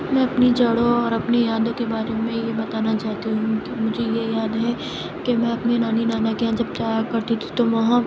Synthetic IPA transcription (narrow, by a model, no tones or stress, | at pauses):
mɛ̃ɐpnid͡ʒɐɽõɔːɾɐpnejaːd̪õkebaːɾemẽjebɐt̪aːnat͡ʃaːɦt̪iɦũkmʊd͡ʒʱejejaːd̪ɦɛ | kemɛ̃ɐpnenaːninaːnakijãd͡ʒɐb̚t͡ʃaːjakɐɾt̪it̪ʰi̥t̪oʋɐɦã